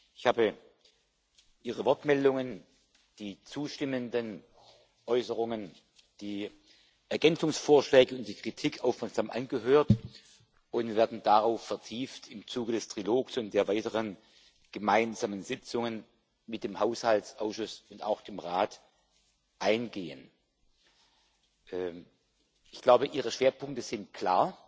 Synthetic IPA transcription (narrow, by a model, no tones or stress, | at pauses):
ɪçhaːbə | ʔiːʁəvɔɐtmɛldʊŋən | d̥iːt͡suːʃtɪməndən | ʔɔʏsəʁ̞ʊŋən | d̥iː | ʔɛɐɡɛnt͡sʊŋsfoːɐʃlɛːɡəʊnt̚d̥iːkʁ̥itʰɪkʰʔaʊfmɛɐkz̥aːmʔa̰nɡəɦøːɐt | ʔʊntveːɐdn̩d̥aʁaʊfɛɐtʰiːftʰɪmt͡suːɡədɛstʁ̥iloːksʊnt̚d̥eːɐvaɪtəʁən | ɡ̥əmaɪnzaːmənzɪt͡sʊŋən | mɪt̚d̥eːmhaʊshaltsʔaʊsʃʊsʊnta̰ʊxd̥eːmʁaːt | ʔaɪnɡeːən | ʔɛː | ʔɪçɡ̥laʊbəʔiːʁ̞əʃv̥eːɐpʰʊŋk̚təz̥ɪnt̚kʰl̥aːɐ